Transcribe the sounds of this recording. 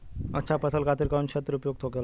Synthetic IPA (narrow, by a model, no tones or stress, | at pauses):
ətːɕʰapəsəlkat̪iɾkaunɕət̪ːəɾupjoɡ̚t̪ʰokel